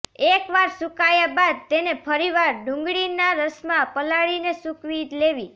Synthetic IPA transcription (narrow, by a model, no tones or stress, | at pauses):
ekʋaɾsukajabad̪̚t̪enepʰəɾiʋaɾɖũŋɡɽinaɾəsmãpəlaɭinesukʋit̪leʋi